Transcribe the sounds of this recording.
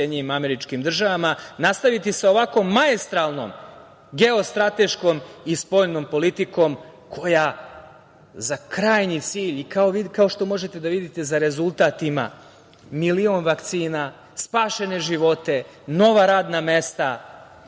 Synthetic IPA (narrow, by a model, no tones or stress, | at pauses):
jed̪ɲenimame̞ɾit͡ʃkimd̪r̩ʒaʋamanast̪aʋit̪iseo̞ʋako̞mːaest̪ɾalˠno̞̰m | ɡeo̞st̪ɾat̪e̞ʃko̞mispo̞ʎno̞mpo̞lit̪iko̞m | kʰo̞ja | zakɾaːjɲit̪siːʎikao̞ʋikaoʃt̪o̞mo̞ʒet̪e̞d̪aʋid̪it̪e̞zaɾe̞zulˠt̪at̪ima̰ | milio̞nʋakt̪siːna | spaːʃe̞ne̞ʒiʋo̞t̪e̞ | no̞ʋaɾaːd̪name̞st̪a